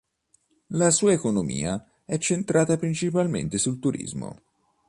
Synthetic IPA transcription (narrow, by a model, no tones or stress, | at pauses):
lasuːaekonomḭːa | ɛt͡ʃːent̪ɾaːt̪apɾint͡ʃipalmḛnt̪esult̪uɾʔḭzmo̰